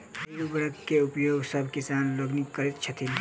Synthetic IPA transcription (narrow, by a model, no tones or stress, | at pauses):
bejubəɾəkːeʊpjoːɡsəbʱkisaːnloɡnikːəɾit̪t͡ʃʰɐt̪ʰil